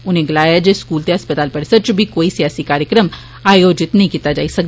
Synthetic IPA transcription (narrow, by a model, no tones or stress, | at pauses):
ʊnɦẽɡɐlaːjad͡ʒeskuːlt̪eɦɐspət̪aːlpɐɽɪsəd̪̚t͡ʃobʱikoːisijaːsikaːɾjəkɾəm | aːjoːd͡ʒɪt̪nɐɦĩkiːt̪ad͡ʒa̰ːisɐk̚d̪